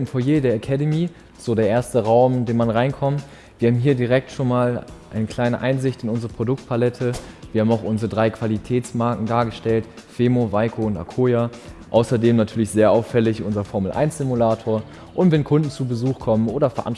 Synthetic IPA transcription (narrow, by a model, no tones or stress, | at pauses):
nfoːɐjeːdeːɐʔakʰɛdəmiː | z̥oːdeːɐeːɐstəʁaʊmɪndeːnmanʁaɪnkʰɔmt | viːɐhaːbm̩ɦiːɐdiʁɛk̚tʃoːnmaːlʔa̰ɪnəkʰl̥aɪnəʔaɪnzɪçtɪnʊnzəʁəpʁ̥odʊk̚tpʰalɛtʰəviːɐhaːmaʊxʔʊnzəʁədʁaɪkv̥alitʰɛːt͡smaɐkŋ̩daːɐɡəʃtɛltfeːmovaɪkʰoʊnta̰kʰoːjaʔaʊsɐdeːmnatʰyːɐlɪçz̥eːɐʔaʊfɛlɪçʔʊnzɐfɔɐml̩ʔa̰ɪnsz̥ɪmulaːtʰoːɐ | ʔʊntvɛnkʰʊndn̩t͡subəzuːxkʰɔmənoːɾɐfɛɐʔan